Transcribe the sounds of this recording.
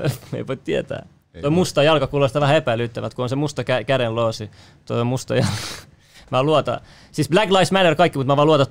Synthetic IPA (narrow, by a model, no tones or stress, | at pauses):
mḛiʋoit̪t̪iæt̪æ̰ː | t̪oimust̪ɑjɑlkɑkuːlest̪ɑʋæhæepæilyt̪ːæʋæt̪kuonsemust̪ɑkækæɾelloːsi | t̪o̰imust̪ɑ̰jɑlkɑ̥ | mæːluɑt̪ɑ̰ | siːsblæɡlɑismænerkɑikːimut̪mæʋɑːˑluɑt̪ɑ